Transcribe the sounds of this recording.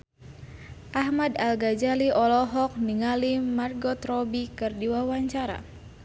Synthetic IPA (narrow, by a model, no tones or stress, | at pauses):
ʔahmadalɡad͡ʒaliʔɔlɔɦɔk̚niŋalimarɡɔt̪ɾɔbikɨrdiwawaɲt͡ʃaɾa̰